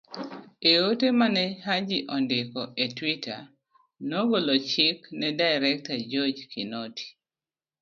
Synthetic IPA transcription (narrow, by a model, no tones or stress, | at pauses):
eotemanɛhad͡ʒiʔɔndɪkɔetwitʰa̰ | noɡolot͡ʃɪknɛdaɪɾɛk̚tad͡ʒɔd͡ʒkʰinotʰi̥